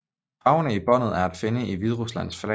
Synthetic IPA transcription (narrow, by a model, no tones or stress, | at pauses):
ɑ̈ʊnəib̥ɒ̽n̰ð̩ˠæɐæd̥fe̝nəʔiʋið̞ˠʁuslæn̰sflɛ